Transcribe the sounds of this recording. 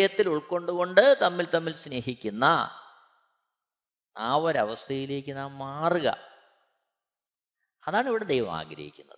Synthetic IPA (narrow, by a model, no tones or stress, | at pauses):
jɐt̪ːiluɭko̞ɳɖuɣo̞ɳɖɨt̪ɐmːilt̪ɐmːilsne̞ːɦikʲːunːɐ̰ | a̰ːoɾɐʋɐst̪ʰɐjile̞ːkʲːɨnaːmmaːrɣɐ̰ | ɐðaːɳiʋiɽed̪ejʋɐ̰ma̰ːɡɾɐ̰hḭkʲːunːɐ̰ðɨ